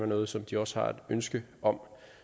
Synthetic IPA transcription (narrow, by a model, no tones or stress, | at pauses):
ʋɑnɔ̽ːð̞̩ˠsɒ̽md̥iɒ̽sə̥hɑ̈æd̥ønsɡ̥ə | ʔɒ̽m